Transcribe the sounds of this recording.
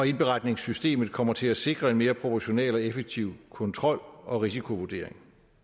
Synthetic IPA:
ɒ̽e̝nb̥e̝ʁɑ̈d̥ne̝ŋsysd̥e̝̰ːmð̩ˠkʰɒ̽m̰ɐt͡sʰe̝læse̝ɡ̥ʁɐe̝nme̝ːɐpʰʁo̝pʰɒɕo̝nḛlɒ̽efeɡ̥̚t͡sʰiʊ̰kʰɔ̽nt͡sʰʁɒ̽l̰ɒ̽ʁis̬ikʰo̝ʋuɐd̥e̝̰ɐeŋ

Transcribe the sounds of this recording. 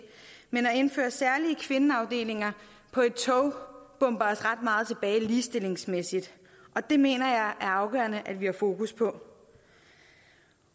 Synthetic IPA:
menɒ̽e̝nfø̰ːɐsæɐliəkʰʋe̝nəɑ̈ʊd̥e̝̰ːle̝ŋɐ | pʰɒ̽e̝d̥̚t͡sʰɔʊb̥ɔ̽mb̥ɐːsʁɑ̈d̥̚mɑ̈ːð̩ˠt͡sʰe̝b̥ɛːɪliːsd̥e̝le̝ŋsmesid̥ | ʔɒ̽d̥e̝me̝̰ːnɐjɑ̈ɪʔæɐɑ̈ʊɡ̥œ̰ɐnəʔædʋihɑ̈fo̝ːkʰuspʰɒ̽

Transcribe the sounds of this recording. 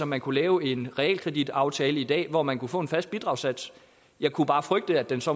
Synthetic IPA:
ɒ̽mænkʰulɛːʊe̝nʁɛɛ̰lkʰʁɛd̥id̥ɑ̈ʊt͡sʰɛːləid̥ɛ̰ːʋɒmænkʰufɔ̰̽ːe̝nfæsd̥̚bid̥ʁɑ̈ʊsæd̥s | jɑ̈ɪkʰub̥ɑ̈ːfʁœɡ̥̚d̥əæd̥ensɒ̽

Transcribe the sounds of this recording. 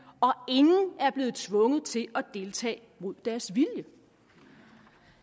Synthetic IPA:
ɒ̽e̝ŋn̩æɐb̥le̝ːð̩ˠt͡sʰʋɔ̽ŋəð̞̩ˠt͡sʰe̝ʔɒ̽d̥e̝lt͡sʰɛ̰ː | mo̝ð̞̰ˠd̥æɐsʋiljə

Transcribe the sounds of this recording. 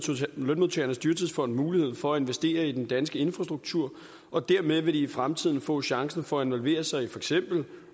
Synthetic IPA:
lønmuðˠt͡sʰeɐnəsd̥yːɐt͡sʰiðˠfɒ̽n̰d̥muːlihe̝ð̞̰ˠfɒ̽æe̝nʋesd̥e̝̰ːɐid̥end̥ænsɡ̥əe̝nfʁɑ̈sd̥ʁuɡ̥̚t͡sʰuɐ̰ | ɒ̽d̥æɐmeðˠʋe̝diːfʁamt͡sʰið̰ˠn̩fɔ̰̽ːɕɑ̈ŋsn̩fɒ̽æe̝nʋɒ̽lʋe̝̰ːɐsɑ̈ɪifɒ̽eɡ̥sem̰b̥l̩

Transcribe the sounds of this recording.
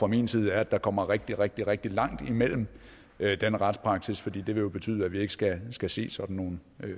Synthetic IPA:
fʁɑminsiːð̞ˠæɐæd̥ɑ̈kʰɒ̽m̰ɐʁeɡ̥̚d̥iʁɛɡ̥̚d̥iʁeɡ̥̚d̥ilɑ̈ŋ̰d̥imel̰m̩ | d̥enəʁɑd̥spʰʁɑ̈ɡ̥sisfɒ̽d̥ḭːd̥e̝ʋe̝jo̝b̥e̝t͡sʰy̰ːðˠæʋie̝ɡ̥ə̥sɡ̥æsɡ̥æse̝̰ːsɒ̽d̥n̩ːo̝ːn̩

